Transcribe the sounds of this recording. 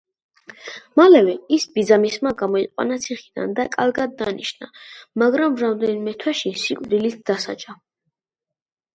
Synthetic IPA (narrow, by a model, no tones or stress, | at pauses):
malɛvɛisbid̪zamismaɡamɔiqʼwa̰nat̪sʰiχid̪̥a̰nd̪akʼaɾɡad̪ːaniʃnamaɡɾamɾamd̪ɛnimɛt̪ʰwɛʃisikʼvd̪ilit̪̚ʰd̪̥asa̰d͡ʒʼa